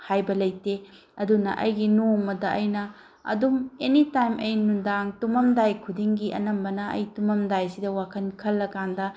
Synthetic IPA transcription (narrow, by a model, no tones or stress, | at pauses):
hajbɐlɐjte | ɐdunɐ̰ʔɐjɡinomɐdɐʔɐjnɐ | ɐ̰dumenitajmʔɐjnundaŋtumɐmdajkʰudiŋɡiʔɐ̰nɐmbɐnɐɐ̰jtumɐmdajsidɐwakʰɐnkʰɐlːɐkandɐ